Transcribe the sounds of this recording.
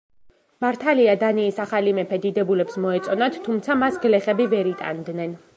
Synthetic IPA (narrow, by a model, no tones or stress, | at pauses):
maɾt̪ʰaliad̪aniːsaχalimɛpʰɛd̪id̪ɛbulɛpsmɔɛt̪sʼɔnat̪ʰːumt̪sʰamasɡlɛχɛbivɛɾit̪ʼa̰nd̪nɛn